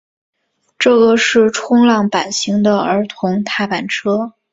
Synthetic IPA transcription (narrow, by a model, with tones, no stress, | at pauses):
ʈ͡ʂɤ˥˩ɡə˩ʂɻ̩˥˩ʈ͡ʂʰʊ˥ŋlɑ˥˩ŋpa˨˩nɕi˧˥ŋd̪ə˧ə˞˧˥t̪ʰʊ˧˥ŋt̪ʰa˥˩pa˨˩nʈ͡ʂʰɤ˥